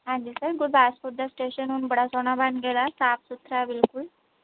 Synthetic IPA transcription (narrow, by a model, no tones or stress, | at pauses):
ɦãnd̪ilsaɡudbasfuɾd̪asʈeɕənuːnbəɽ̤asonabanɡɛlasapsut̪ɾaʋilkul